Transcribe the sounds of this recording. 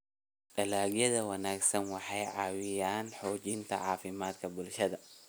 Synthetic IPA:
ʔɐlaːɡjɐðɐwɐnaːɡsɐnwɑħɑjʕɑːwɪjaːnħɔːt͡ʃɪnt̪ʰɐ̰ʕɑːfɪmaːd̪kʰɐbʊlʃɐðɐ

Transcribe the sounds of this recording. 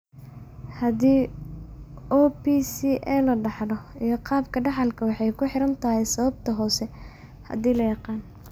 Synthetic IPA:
hɐðiː | ɔːpiːsiːʔɛlɐɖɑħdɔijɞqɑːbkʰɐɖɑħɑlkʰɐwɑħɑjkʰʊħɪɾɐnt̪ʰɐɦɛjsɐβɐb̚t̪ʰɐɦɔːsɛ | hɐ̰ðiːlɐjɑqɑːn

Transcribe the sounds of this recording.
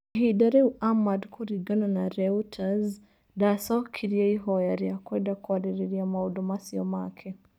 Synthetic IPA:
ɦidaɾɛuʔamadkʰuɾiɡananaɾɛutʰaz | dasɔkʰiɾiaiɦɔjaɾiakwɛndakuadɛɾɛɾiamauɗɔmasiɔmakʰɛ

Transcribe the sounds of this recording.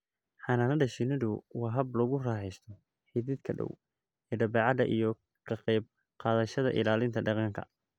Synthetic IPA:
ħɑnaːnɐɖɐʃɪnɪðʊwɑːɦɐblɔɣʊraːħɛjst̪ʰɔ | ħiðɪd̪kʰɐɖɔ̰w | ɛːɖɐbɑːʕɑðɐʔijɔ | kʰɐqɛjb̚ | qɑːðɐʃɐðɐ̰ʔɪ̰laːlɪnt̪ʰɐɖɑqɑŋkʰɐ̰

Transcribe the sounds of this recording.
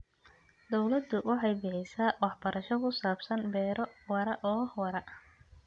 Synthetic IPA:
d̪ɔwlɐd̪ːʊwʔɑħɑjbɪħɪjsaːwɑħbɐɾʔɐʃɔkʰʊsaːbsɐnbɛːɾɔwɐɾɐʔɔːhɐɾɐ

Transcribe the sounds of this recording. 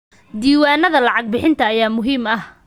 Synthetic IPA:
d̪iːwaːnɐðɐlɑʕɑɡ̚bɪħɪnt̪ʰɐːjaːmʊɦiːmɐh

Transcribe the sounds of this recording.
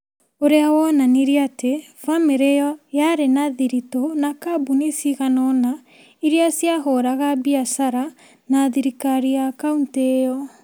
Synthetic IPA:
oɾeawɔnaniɾiate | fameɾejɔjaɾenaðiɾitɔnakabunisiɣanɔna | iɾiasiaɦɔɾaɣabiasaɾa | naðiɾikaɾiakauntejɔ

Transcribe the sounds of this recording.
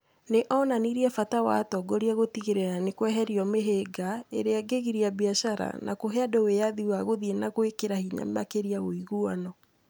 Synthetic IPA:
neʔɔnaniɾiɛfatawa̰tɔɡoɾiaɣotiɣeɾeɾanekwɛɦɛɾiɔmeɦeɡaḛɾeaɡeɣiɾiabiaʃaɾa̰nʔa̰koɦeadɔwejaðiwaɣoðienaɣwekeɾahiɲa̰mmakeɾiaɣoiɣuɔnɔ

